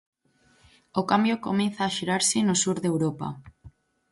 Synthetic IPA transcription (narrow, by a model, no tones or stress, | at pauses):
okambjokomenθaːʃiɾaɾsɪnosuɾðewɾopa̰